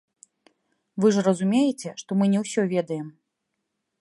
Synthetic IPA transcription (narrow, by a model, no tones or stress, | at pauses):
vɨʐrɐzumʲejɛt͡sʲɛʂt̪ɔmɨnʲɛwsʲɔvʲɛd̪ɐjɛm